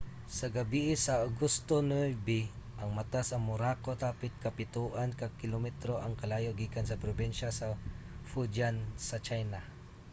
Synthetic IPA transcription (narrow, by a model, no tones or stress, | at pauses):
sɐɡɐbiʔɪsɐaɡʊst̪onujbɪʔɐŋmɐt̪asɐŋmʊɾaːkot̪aːpɪt̪̚kɐpɪt̪uʔankɐkɪlomɛt̪ɾoʔɐŋkɐlaːjoɡiːkansɐpɾobinʃasɐ | fud͡ʒansɐt͡ʃajna